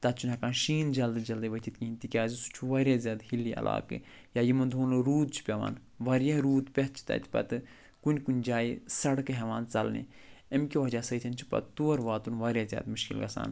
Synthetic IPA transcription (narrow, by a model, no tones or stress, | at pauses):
t̪ɐt̪̚t͡ʃʰunɐkaːnʃiːnd͡ʒɐld̪ɨd͡ʒɐld̪ɨʋɐt̪ʲʰit̪kiinʲt̪ikʲaːzisu̥t͡ʃʰuʋɐɾʲazʲjaːd̪hilːiʔɐ̰lʔa̰ːkɨ | jaːjimɐnd̪ʱuːnɾuːd̪̚t͡ʃʰu̥pʲɐʋa̰ːn | ʋɐɾjaɾuːt̪pʲet̪t͡ʃʰi̥t̪ɐ̰t̪ʰʲi̥pɐ̰t̪ɨ | kunʲkunʲd͡ʒaːisɐɽkɨɦɛʋaːnt͡sɐlnḛ | emkʲiʋɐd͡ʒaːsɐit̪ʲʰɐnʲt͡ʃʰi̥pɐ̰t̪t̪uɐɾʋaːt̪unʋɐɾʲjaːzʲja̰ːd̪muʃkḭlɡɐ̰sa̰ːn